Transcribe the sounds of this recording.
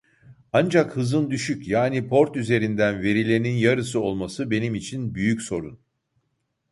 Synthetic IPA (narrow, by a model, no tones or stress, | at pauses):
and͡ʒakhɯzɯnd̪yʃycjaːnipʰo̞ɾt̪yze̞ɾind̪ænve̞ɾilʲe̞ninjaɾɯsɯo̞lˠmasɯbe̞nimit͡ʃʰinbyjycso̞ɾun